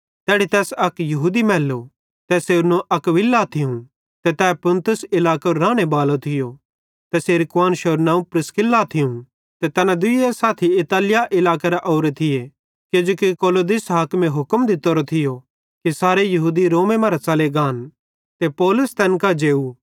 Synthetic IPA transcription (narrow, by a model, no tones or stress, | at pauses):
t̪ɛːɽit̪ɛːsɐkjɐɦuːd̪imɛːlːo | t̪ɛseːɾnõʔɐkʋɪlːat̪ʰɪũ | t̪ɛt̪ɛːpʊ̃nt̪ʊsɪlaːkoɾɾaːɽ̃ebaːlot̪ʰɪjo | t̪ɛseːɾɪkwaːnʃɐɾnãːũpɾɪskɪlːat̪ʰɪũ | t̪ɛt̪ɛːnãd̪ʊiesaːt̪ʰiɪt̪aːlɪjaʔɪlaːkeɾaʔɔːɾet̪ʰɪje | ked͡ʒoːkikoːloːd̪ɪsɦaːkmẽɦʊkəmd̪ɪt̪ːoɾot̪ʰɪjo | kisaːɾejɐɦuːd̪iɾoːmẽmãːɾat͡sɐleɡaːn | t̪epɔːlʊst̪ɛːnkad͡ʒeːu